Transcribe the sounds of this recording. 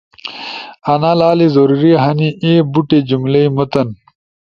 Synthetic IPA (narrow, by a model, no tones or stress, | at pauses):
ɐnalaːlizoɾuɾiɦɐniʔeːbuʈed͡ʑumleimot̪ɐn